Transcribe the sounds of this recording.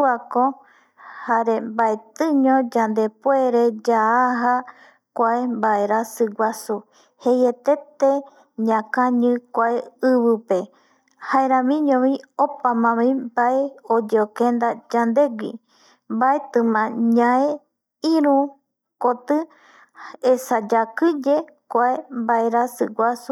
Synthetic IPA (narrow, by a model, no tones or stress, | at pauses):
ako | haɾembaet̪ɨ̃ɲõd͡ʒand̪epweɾed͡ʒaːɦa | kʷaembaeɾasɨɡʷasu | hejet̪et̪e | ɲãkãɲɨ̃kʷaeɨβɨpe | haeɾãmĩɲõβĩopamãmĩbaeod͡ʒeokend̪ad͡ʒand̪eɡʷḭ | mbaet̪ɨmãɲãe | ĩɾũ | kot̪ɨ | esad͡ʒakɨd͡ʒe | kʷaembaeɾasɨɡʷasu